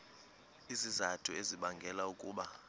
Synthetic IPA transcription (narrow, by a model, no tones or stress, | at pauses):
izizatʰʼueziɓaŋɡʱɛlaukʼuːɓa